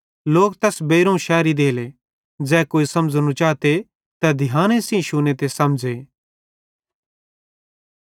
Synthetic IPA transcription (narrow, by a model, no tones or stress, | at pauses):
loːkt̪ɛːsbeːɾũʃɛːɾid̪eːle | d͡zɛːkoːisɐmd͡znũt͡ʃaːt̪e | t̪ɛd̪ʱɪjãːñesĩʃuːnet̪esɐmd͡ʒeː